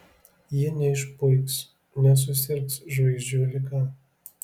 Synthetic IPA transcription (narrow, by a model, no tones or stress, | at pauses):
jinʲɛɪʃpʊɪks | nʲɛs̬ʊsʲɪɾksʒʋɐɪzʲd͡ʒʲuːlʲɪkɑ